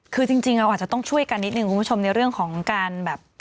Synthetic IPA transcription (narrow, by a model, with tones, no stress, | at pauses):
kʰɯː˧t͡ɕi˧ŋt͡ɕi˧ŋɾa˧wʔa˨˩t͡ɕa˨˩t̪ɔ˥˩ŋt͡ɕʰu˥˩əjka˧nːi˦˥t̪̚nɯ˨˩kʰu˧mbu˥t͡ɕʰo˧mna˧jɾɯ˥˩əŋkʰɔː˩˦ŋkaː˧nbɛː˨˩p̚